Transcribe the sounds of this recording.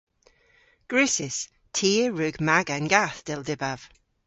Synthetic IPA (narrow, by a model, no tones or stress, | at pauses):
ɡ̥ɹʉsɪs | tʰiːəɹʉɡmaɡənɡaθd̥ɪlˠdɪbav̥